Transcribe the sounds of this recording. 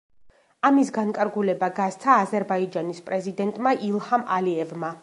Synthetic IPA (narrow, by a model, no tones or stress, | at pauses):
amisɡankʼaɾɡulɛbaɡast̪sʰaːzɛɾbaid͡ʒanispʼɾɛzid̪ɛnt̪ʼmaʔilˠhamaliɛvma